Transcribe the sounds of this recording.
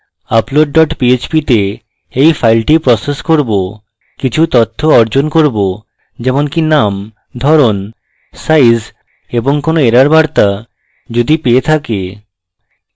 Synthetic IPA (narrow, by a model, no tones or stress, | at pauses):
aploɖ̚ɖɔʈpiet͡ɕpit̪e | ejfʰajlʈipɾɔseskoɾbo | kit͡ɕʰut̪ɔt̪ʰːoɔɾd͡ʑonkoɾbo | d͡ʑɛmonkinam | d̪ʱɔɾon | sajz | eboŋkonoeɾaɾbaɾt̪a | d͡ʑod̪ipeet̪ʰake